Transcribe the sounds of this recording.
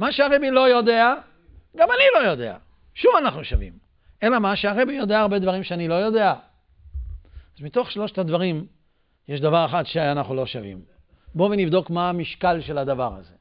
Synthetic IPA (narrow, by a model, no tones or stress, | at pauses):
maʃeaʁebilo̞jo̞d̪e̞a | ɡamanilo̞jo̞d̪e̞̰a̰ | ʃuvanaχnuʃavḭm | ʔe̞lamaʃeaʁe̞bijo̞d̪e̞aːʁbed̪vaʁimʃeanilo̞jo̞d̪e̞a | azmit̪o̞χʃlo̞ʃt̪ad̪vaʁim | jeʃd̪avaʁeχatʃeanaχnulo̞ʃavḭm | bo̞venivd̪o̞kmaːmiʃkalʃe̞lad̪avaʁa̰ze̞